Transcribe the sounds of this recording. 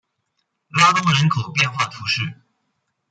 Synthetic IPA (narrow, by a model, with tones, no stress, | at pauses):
la˥t̪ʊ˥ŋɻə˧˥nkʰo˨˩ʊpjɛ˥˧nxwa˥˩t̪ʰu˧˥ʂɻ̩˥˩